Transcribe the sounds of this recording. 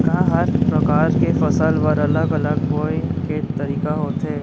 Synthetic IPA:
kãɦɐɾpɾɐkaːɾkefɐsəlʋəɾɐləɡɐləɡbɔːeket̪ɐɾiːkaɦoːt̪ɦɛː

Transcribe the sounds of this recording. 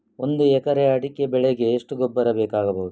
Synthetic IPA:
ond̪uɛkɐɾeɐɽikːebɛɭeɡe̞ːʂʈuɡobːɐɾɐbeːkaːɡɐbɐwud̪u

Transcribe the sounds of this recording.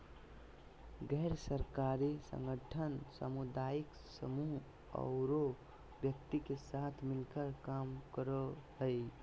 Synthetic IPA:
ɡɛɾsəɾkaɾisə̰̃ŋɡəʈʰənsə̰mud̪aik | səmuɦ | ə̰ʊɾo | bjəkt̪ikesat̪ʰmilkəɾkamkəɾəɦəj

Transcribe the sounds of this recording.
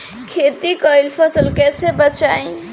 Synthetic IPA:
kʰet̪ikəilpʰəsəlkɛːsebət͡ʃaːĩ

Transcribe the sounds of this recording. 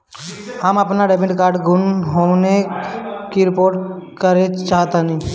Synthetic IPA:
həməpnaɖebɪʈkaːɾɖɡʱʊnɦone | kiɾɪpoːɾʈkəɾet͡ʃaːɦt̪anĩː

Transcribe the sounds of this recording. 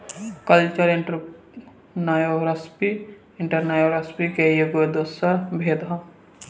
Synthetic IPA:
kəlt͡ʃəɾiʈ | najoɾɐspi | ɪɳʈəɾnajoɾɐspikejoɡed̪osɐbʱeːd̪ʱɐ̃

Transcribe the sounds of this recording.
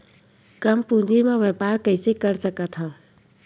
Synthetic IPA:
kəmpũːd͡ʒimẽʋeːpaːɾkəɪsekəɾsəkət̪ɦãː

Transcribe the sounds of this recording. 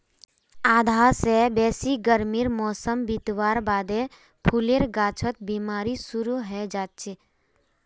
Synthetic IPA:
aːd̪ʱaːɾsebɛːsiɡəɾmiɾmɔːsəmbit̪waːɾbaːd̪e | pʰuleɾɡaːt͡ʃʰət̪̚biːmaːɾisuɾuɦɛd͡ʒaːt͡ʃe

